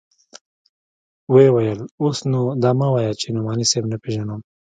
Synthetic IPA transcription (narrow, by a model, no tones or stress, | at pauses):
wewɐjəlosnud̪amawajat͡ʃʰenumɑːnisebnapeʒanom